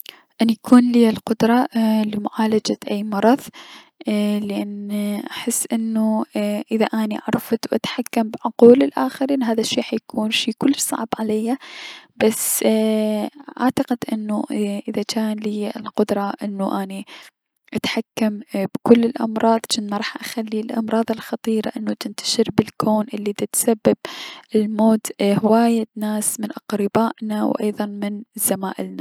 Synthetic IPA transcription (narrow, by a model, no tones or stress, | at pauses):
ʔanjakʰuːnliːalqʊd̪ɾˤɑlɪmʊʕaːlad͡ʒaʔaːmɑɾˤɑðˤ | lɪʔanʔaħɪsːʔɪnːuʔɪðaʔaːniʔa̰ʕɾˤɑft̪wʔat̪ħakːambʕʊquːlɪlʔaːxɪɾiːnɦaːðaʃːiːħajkʰuːnʃiːkʊlːsˤɑ̰ʕbʕalajːabas | ʔaʕt̪aqɪd̪ʔɪnːuʔɪðat͡ʃaːnliːlqʊd̪ɾˤɑʔɪnːuʔaːni | ʔat̪ħakːambkʊlːɪlʔɑmɾˤɑːðˤt͡ʃɪnːɾˤɑːħʔaxalːilʔɑ̰mɾˤɑːðˤɪlxɑt̪ˤiːɾa̰ʔɪnːut̪ɪnt̪ʰḁʃɪɾbɪlkʰoːnʔɪlːid̪at̪sabːab̚ɪlmoːt̪hɪwaːjanaːsmɪnʔɑqɾɪbaːʔnawʔɑ̰jðˤɑnmɪnz̥ːamaːʔɪlna